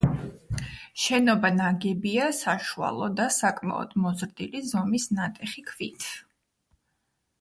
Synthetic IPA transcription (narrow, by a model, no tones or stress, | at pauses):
ʃɛnɔbanaɡɛbiasaʃua̰lˠɔd̪asakʼma̰ɔ̰d̪mɔzɾd̪ilizɔmisnat̪ʼɛχikʰvit̪ʰ